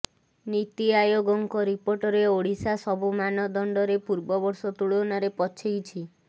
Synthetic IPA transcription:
nit̪iajoɡɔŋkɔɾipoɾʈɔɾeoɽisasɔbumanɔd̪ɔɳɖɔɾepuɾbɔbɔɾsɔt̪uɭonaɾepɔt͡ʃʰejt͡ʃʰi

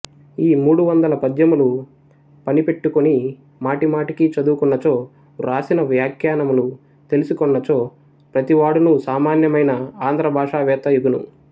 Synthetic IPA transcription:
iːmuːɽuʋɐnd̪ɐlɐpɐd̪jɐmulu | pɐnipe̞ʈːukoni | maːʈimaːʈikit͡ʃɐd̪uːkunːɐt͡ʃo̞ː | ɾaːsinɐʋjaːkʰjaːnɐmulu | t̪elusukɔnːɐt͡ʃo̞ː | pɾɐt̪iʋaːɽunusaːmaːnjɐmɐjnɐaːnd̪ʱɾɐbʱaːʂaːʋɛːt̪ɐːjuɡunṵ

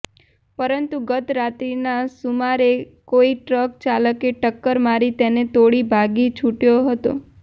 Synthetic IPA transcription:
pəɾənt̪uɡət̪ɾat̪ɾinasumaɾe | koiʈɾəkt͡ʃaləkeʈəkːəɾmaɾit̪enet̪oɽibʱaɡit͡ʃʰuʈjoɦət̪o̰

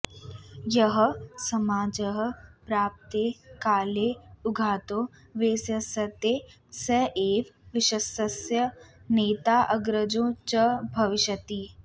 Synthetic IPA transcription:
jɐɦəsɐmaːd͡ʒəɦə̆pɾaːp̚t̪eːkaːleːʊɡʱaːt̪õː | ʋeːsjɐsɐt̪eː | sɐʔeːʋʋɪʃɐsɐsjɐneːt̪aːʔɐɡɾəd͡ʒõːt͡ʃɐbʱɐʋɪʃət̪iː

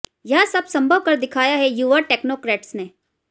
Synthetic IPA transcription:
jɐɦãsɐbsɐ̃mbʱəʋkɐɾd̪ɪkʰaːjaɦɛjuːʋəʈɛːknoːkɾeːʈsneː

